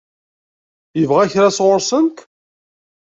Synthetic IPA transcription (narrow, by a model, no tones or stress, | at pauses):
jəvʁæçɾasʁʊɾsənt̪